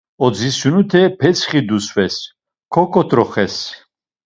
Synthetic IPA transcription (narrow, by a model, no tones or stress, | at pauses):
ɔd͡zisunut̪ʰɛpʰɛt͡sʰχid̪usvɛs | kʰɔkʰɔt̪ʰʼɾɔχɛs